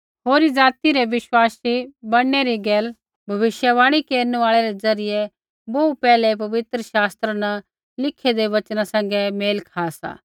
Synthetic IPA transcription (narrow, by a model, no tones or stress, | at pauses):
ɦoːɾid͡ʒaːt̪iɾeʋɪʃwaːsibɐɽeɾiɡɛːl | bʱɐʋɪʃjəʋaːɽ̃ikeːɾnaːɭeɾezɐɾɪje | boupɛːlepɐʋɪt̪ɾəʃaːst̪ɾəna | lɪkʰed̪eʋɐt͡ʃnasɛ̃ŋɡemeːlkʰaːsa̰ː